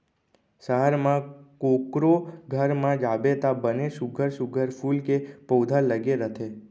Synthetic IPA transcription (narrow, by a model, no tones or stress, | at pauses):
səɦəɾmãkokɾoɡʱəɾmãd͡ʒabet̪abəneʃuɡʱəɾʃuɡʱəɾfulkepowd̪ʱaləɡeɾət̪ʰe